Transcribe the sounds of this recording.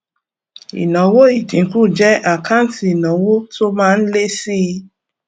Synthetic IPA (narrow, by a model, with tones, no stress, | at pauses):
ḭ˨nɔ̃˨˦wo˦i˦˨dĩ˨˦ku˦˨d͡ʒɛ˦ʔa˦˨kʰa˦n̩˦ti˨i˨nɔ̃˨wo˦to˦mãː˦n̩˦le˦si˦˧